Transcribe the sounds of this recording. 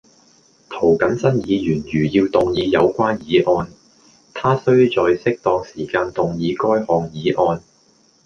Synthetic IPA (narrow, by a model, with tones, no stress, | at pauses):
t̪ʰo˨˩wkɐ˨˥nsɐ˥njiː˨˧jyː˨˩njyː˨˩jiː˧wt̪ʊ˨ŋjiː˨˧jɐ˨˧wkʷaː˥njiː˨˥ʔɔː˧n | t̪ʰaː˥sɵ˥ɥt͡sɔː˨jsɪ˥k̚t̪ɔː˧ŋsiː˨˩kaː˧nt̪ʊ˨ŋjiː˨˧kɔː˥jhɔː˨ŋjiː˨˥ʔɔː˧n